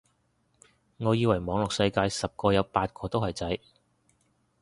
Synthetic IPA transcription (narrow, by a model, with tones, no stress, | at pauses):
ŋɔː˨˧jiː˧wɐ˨˩jmɔː˨˥ŋlʊ˨k̚sɐ˧jkaː˧jsɐ˨p̚kɔː˧jɐ˨˧wpaː˧t̚kʰɔː˧t̪o˥whɐ˨jt͡sɐ˨˥j